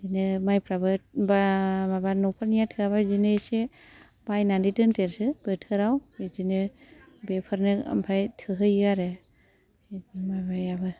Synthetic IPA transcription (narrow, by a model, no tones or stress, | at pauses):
zinɯmajpʰɾabɯbamabanɔpʰaɾnijatʰɯaβazinɯse | b̥ajnandidɯnteɾsɯb̥ɯtʰɯɾawezinɯ | bepʰɯɾnɯa̰mpʰajtʰɯɦɯjaɾɯ | mabajabɯ